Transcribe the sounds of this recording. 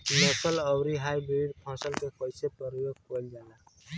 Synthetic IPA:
notələwɾiɦajbɾiɖpʰɔsəlkekəjsepəɾjoɡ̚kɔld͡ʒala

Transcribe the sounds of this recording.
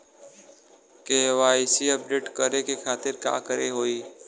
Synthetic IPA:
keʋaːisiəp̚ɖeːʈkəɾekekʰaːt̪ɪɾka̰ːkəɾeɦoːiː

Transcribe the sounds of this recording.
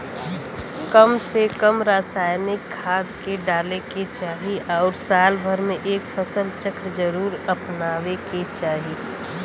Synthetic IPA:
kəmsekəmɾaːsaːjnɪkʰːaːd̪keɖaːleket͡ʃaːɦiɔːɾsaːlbʱəɾmẽʔeːkfʰəsəlt͡ʃəkɾəd͡ʒəɾuːɾəpnaːʋeket͡ʃaːɦi

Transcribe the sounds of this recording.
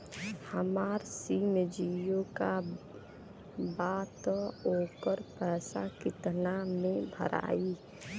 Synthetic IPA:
həmaːɾsiːmd͡ʒijõka | baːt̪oːkəɾpɛːsa̰kɪt̪namẽbʱə̰ɾʔa̰ːi

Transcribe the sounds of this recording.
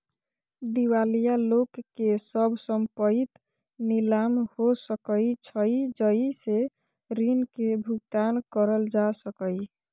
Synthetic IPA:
d̪iwalijalokːesəbʱsəmpəit̪ | nilamhosəkəjt͡ʃʰəjd͡ʒəise | ɾinkebʱuɡ̚t̪ankəɾəld͡ʒasəkəj

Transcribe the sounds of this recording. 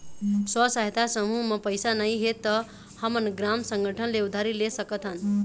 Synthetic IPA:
səsaɦt̪ʰasəmuməpəjsanaɦiɦet̪ːə | hamənɡɾamsə̃ŋɡəʈʰənleud̪ʱaɾilesəkət̪an

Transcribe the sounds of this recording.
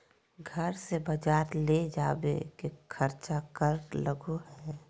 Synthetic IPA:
ɡʱəɾsebəd͡ʒaːɾled͡ʒaːbḛkekʰəɾt͡ʃakəɾləɡuɦɛː

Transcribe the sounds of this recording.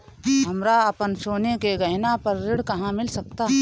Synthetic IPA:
ɦɐmɾaɐpənsoːnekeɡɐɦɪnapɐɾːɪɽkɐɦãmɪlsɐkt̪aɦɛ

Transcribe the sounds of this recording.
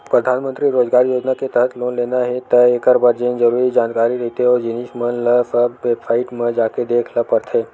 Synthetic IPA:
pɾɐd̪ʱaːnmə̃nt̪ɾiɾoːzɡaːɾjoːd͡ʒnaket̪əɦət̪loːnleːnaɦɛt̪ɐeːkəɾbaɾd͡ʒẽːnzɐɾuːɾid͡ʒãːnkaːɾiɾɛɦt̪eɦɛɔːɾd͡ʒɪniʃmənləfəʋefʰaːɪʈmẽd͡ʒaːked̪eːkʰləpəɾt̪ʰeː

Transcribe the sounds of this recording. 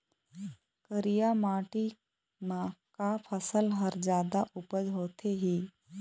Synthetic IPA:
kəɾijamaːʈi | mãkapʰəsəlɦəɾd͡ʒjaːd̪aʔʊpəd͡ʒɦoːt̪ʰeɦiː

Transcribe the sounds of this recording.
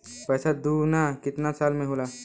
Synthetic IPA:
pəːsad̪unakɪt̪nasaːlmẽɦola

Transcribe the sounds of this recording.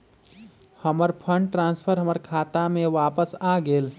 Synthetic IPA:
həməɾpʰə̃ɳɖʈɾãːnspʰəɾɦəməɾkʰaːt̪amẽʋaːpəsaːɡeːl

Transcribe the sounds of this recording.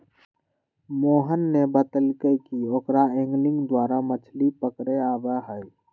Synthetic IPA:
moːɦənːebət̪əlkəjkiokɾaẽŋɡlɪ̃ŋɡd̪waːɾamət͡ʃʰlipəkɾeaːbəɦəj

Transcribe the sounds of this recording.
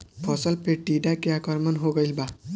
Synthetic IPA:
pʰɔsəlpʰeʈiɖakeakɔɾmʌnɦoɡəjlba

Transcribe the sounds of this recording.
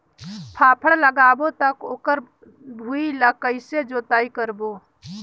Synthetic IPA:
pʰapʰəɽləɡabot̪əkoːkəɾ | bʱuiləkəɪsed͡ʒot̪aikəɾbo

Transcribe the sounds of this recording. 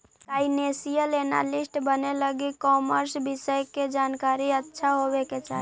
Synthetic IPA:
t̪ainesijəlena̰lisʈbəneləɡikɔməɾsbisəjked͡ʒankaɾiətːʃʰaɦobeket͡ʃa̰ɦi

